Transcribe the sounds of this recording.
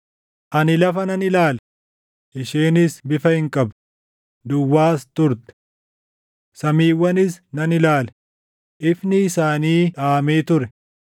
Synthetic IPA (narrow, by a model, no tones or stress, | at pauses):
ʔɐnɪlɐfɐnɐnɪlaːl | ʔɪʃeːnɪsbɪfɐhɪŋkʼɐb | d̪ʊwːaːst̪ʊɾt̪ɛ̥ | sɐmiːwːɐnɪsnɐnɪlaːl | ʔɪfnɪːsaːniːᶑaːmeːt̪ʊɾɛ